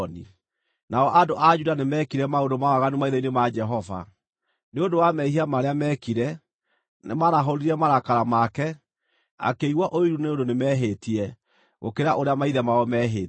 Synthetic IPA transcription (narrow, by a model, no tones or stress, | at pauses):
nḭ | naɔʔadoʔad͡ʒudanemɛːkiɾɛmaondomawaɣanumaiðɛinemad͡ʒɛɦɔva̰ | neondowamɛihiamaɾeamɛkiɾɛ | nemaɾaɦɔɾiɾɛmaɾakaɾamakɛ | a̰keiɣwaʔoiɾuneondonemɛɦetiɛ | ɣo̰keɾaʔoɾeamaiðɛmaɔmɛːɦe